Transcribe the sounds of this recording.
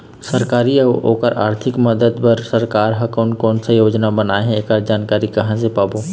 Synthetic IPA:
sɐɾkaːɾieo̰ːkəɾʔaːɾt̪ʰɪkməd̪əd̪pɐɾsɐɾkaːɾɦɐkoːnkɔːnsajoːd͡ʒnabɐnaːeɦɛ̃eːkaːɾd͡ʒaːnkaːɾikɐɦãsepaːboː

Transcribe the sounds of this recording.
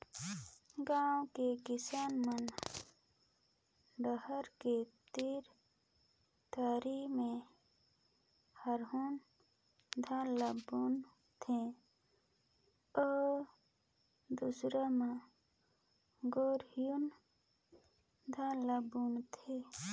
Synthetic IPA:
ɡãːwkekɪsaːnmən | ɖəhəɾket̪iɾ | t̪aːɾimẽ | həɾɦun | d̪ʱãləbun | t̪ʰẽ | ɔːɾ | d̪usɾamã | ɡoːɾijun | d̪ʱãləbunt̪ʰe

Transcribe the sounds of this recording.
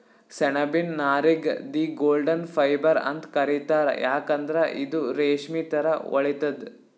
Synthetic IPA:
sɛɳɐbinːaːɾiɡd̪iːɡoːlɖɐnpʰɐjbɐɾɐ̰nt̪kɐɾit̪aːɾḛjaːkɐnd̪ɾɐʔid̪uɾeːʂmit̪ɐɾɐʋɔ̰ɭit̪ɐd̪

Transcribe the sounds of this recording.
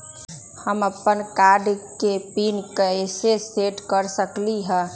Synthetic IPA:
həməpːənkaɾɖkepinkəeseseʈkəɾsəkliɦə̃

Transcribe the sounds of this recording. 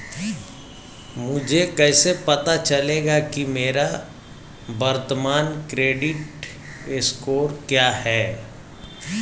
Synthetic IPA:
mʊd͡ʒʱekɛːsepɐt̪at͡ʃɐleːɡakimeːɾa | bɐɾt̪əmaːnkɾeːɖɪʈ | eskoːɾkjaːhɛː

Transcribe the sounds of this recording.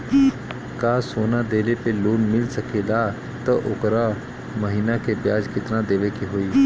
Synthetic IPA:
kaːsoːnad̪eːlepeloːnmɪlsəkʰelaː | t̪əʔʊkɾa | məɦiːnakepjaːd͡ʒkɪt̪nad̪eːʋekiɦoːiː

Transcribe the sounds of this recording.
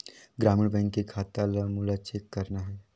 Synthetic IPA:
ɡɾaːmɪɽbɛ̃ːŋkːekʰaːt̪aləmʊlat͡ʃekːɐɾnaɦɛː

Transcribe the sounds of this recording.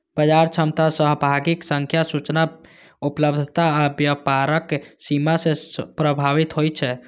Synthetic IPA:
b̥əd͡ʒaɾt͡ʃʰəmt̪asəɦbʱaɡiksəŋkʰjasut͡ʃna | upləbd̪ʱt̪aːbjəpaɾəkːsimasepɾəbʱaʋit̪ɦojt͡ʃʰɛ

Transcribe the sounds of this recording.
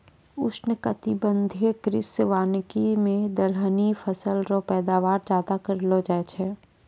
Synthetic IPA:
ʊ̰snəkət̪ɪbə̃nd̪ʱijəkɾɪseʋaːnkimẽd̪əlɦənifʰəsəlɾopɛːd̪aːʋaːɾd͡ʒaːd̪akəɾlod͡ʒaːt͡ʃʰɛː

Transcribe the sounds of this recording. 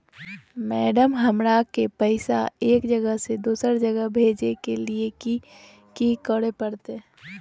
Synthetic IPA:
mɛːɖəmɦəmɾakepəɪsaeːkd͡ʒəɡəɦsed̪uːsəɾd͡ʒəɡəɦbʱeːd͡ʒekelieki | kikəɽepəɾt̪e

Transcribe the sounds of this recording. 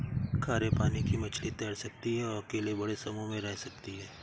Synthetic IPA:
kʰaːɾepaːnikimɐt͡ʃʰlit̪ɛːɽsɐk̚t̪iɦɛɔɾɐkeːlebɐɽesɐmõmẽɾɛɦsɐk̚t̪iɦɛː

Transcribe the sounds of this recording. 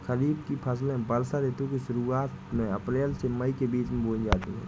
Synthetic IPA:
xəɾiːd̪kipʰəs̬lẽbəɾsad̪eːt̪ũkiʃʊɾuaːt̪mẽəpɾeːlseməikebiːt͡ʃmẽbʱõːd͡ʒaːt̪ḭɦɛ̰̃ː

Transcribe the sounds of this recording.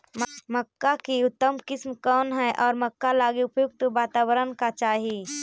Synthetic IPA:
mməkːakiʊt̪ːəmkɪsmkɔːnɦɛʔɔːɾməkːalaːɡiʊpjʊk̚t̪ubaːt̪aːbəɾənkat͡ʃaːɦi

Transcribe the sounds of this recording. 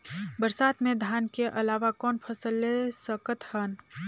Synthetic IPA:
bəɾsat̪med̪ʱankeʔəlaʋakɔːnpʰəsəlːesəkət̪hən

